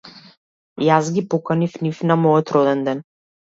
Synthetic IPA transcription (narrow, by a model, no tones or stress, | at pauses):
jazɡʲipɔkanifnifnamɔjɔt̪ɾɔd̪ɛnd̪ɛn